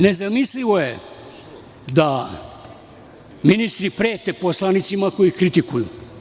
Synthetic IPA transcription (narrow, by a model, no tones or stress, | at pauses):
ne̞zamisliʋoje | d̪a | minist̪ɾipɾeːt̪eposlˠanit̪simakojixkɾit̪ikuju